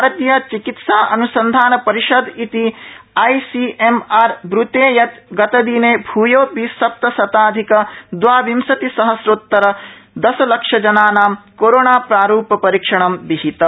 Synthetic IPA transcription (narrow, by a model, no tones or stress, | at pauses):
bʱaɾɐt̪jɐt͡ʃikit̪saːʔɐnusɐnd̪ʱaːnɐpɐɾiʃɐd̪it̪iɐjsiʔemaːɾbɾut̪eːjɐt̪ɡɐt̪ɐd̪iːneːbʱuːjoːpisɐp̚t̪ɐsɐt̪aːd̪ʱikɐd̪ʋaːʋimsɐt̪isɐɦɐsɾut̪ːɐɾɐd̪ɐsɐlɐkʂɐd͡ʒɐnaːnaːmkoɾoːnaːpɾaːɾuːpɐpɐɾiːkʂɐɳɐmbiɦit̪ɐ